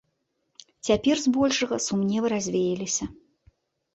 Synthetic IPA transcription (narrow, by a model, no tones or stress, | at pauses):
t͡sʲapʲɛrzbɔlʲʂɐɣɐsumnʲɛvɨɾazʲvʲejɛlʲisʲɐ